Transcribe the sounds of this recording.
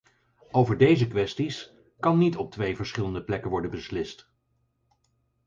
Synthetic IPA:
owvəɹdejzəkʋɛstis | kɑnːitɔp̚tʋejvəɹsχɪləndəplɛkənʋɔɹdənbəslɪst

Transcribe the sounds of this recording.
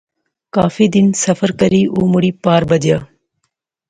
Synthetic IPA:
kaːfid̪ɪnsɐfəɾkɐɾiːʔoːmʊɽiːpaːɾbɐd͡ʒijaː

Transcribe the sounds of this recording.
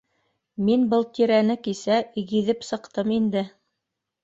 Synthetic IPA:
minbɤlˠt̪iɾænɘkisæiɣiðɘpsɤ̆qt̪ɤmind̪ɘ

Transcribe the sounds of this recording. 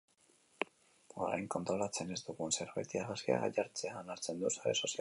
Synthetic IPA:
o̞ɾa̰jŋko̞nt̪ɾo̞lat͡se̞ne̞zd̪uɣuense̞ɾβa̰jt̪iaɣasia̰ɣa̰ʎaɾt͡se̞aːnaɾt͡se̞nd̪usaɾḛso̞si

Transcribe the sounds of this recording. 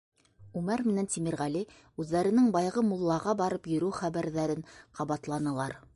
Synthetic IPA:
ʉmæɾmɘ̆nænt̪imiɾʁæli | ʉðːæɾɘ̆nɘŋbɑjʁɤmulˠːɑʁɑbɑɾɤpjɵ̆ɾʉwχæβæɾðæɾɘnqʰɑβɑt̪lˠɑnɤ̆lˠɑɾ

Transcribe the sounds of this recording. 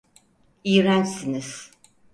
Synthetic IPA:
ijɾænsiniz̥

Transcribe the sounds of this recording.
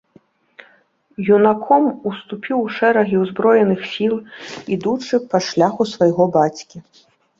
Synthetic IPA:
junakʰɔmust̪upʲiwʂɛɾɐɣʲiwzbɾɔjɛnɨxsʲilˠid̪ut͡ʂɨpɐʂlʲaxusvɐjɣɔbat͡sʲkʲi

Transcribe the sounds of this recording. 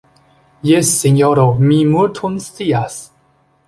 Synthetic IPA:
jesːiɲjoɾomimuɾt̪ʰunst̪ias

